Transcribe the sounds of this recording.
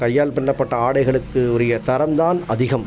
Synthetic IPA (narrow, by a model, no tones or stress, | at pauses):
kɐjːaːlpɪɳːɐpːɐʈːɐaːɽɐɪɣɐɭɯkːɯɔɾɐjɐt̪ɐɾɐmd̪aːnɐðɪɣɐm